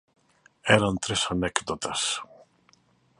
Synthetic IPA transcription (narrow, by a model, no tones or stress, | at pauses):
enɐnt̪ɾisɐnekd̪ot̪ɐs